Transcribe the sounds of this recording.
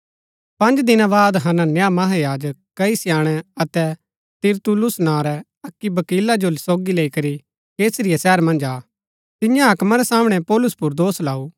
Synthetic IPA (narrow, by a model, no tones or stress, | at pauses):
pɐ̃nd͡ʒd̪ɪnãbaːd̪ɦɐnãnjamɐɦajaːd͡ʒəkːɐisɪjaːɽ̃ɛɐt̪ɛ | t̪ɪɾt̪ʊlʊsnaːɾɛ | ɐkːibɐkiːlad͡ʒolsoːɡileːikɐɾi | keːsɾɪjasɛːɾmɐ̃nd͡ʒaː | t̪ɪjãɦɐkmaɾɛsaːmɽ̃ɛpɔːlʊspʊɾd̪oːslaːuː